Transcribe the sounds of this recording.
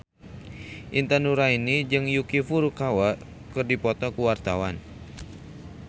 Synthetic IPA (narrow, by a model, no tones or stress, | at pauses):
ʔint̪anuɾainid͡ʒɨŋjukifurkawa | kɨrdipɔt̪ɔkuwart̪awan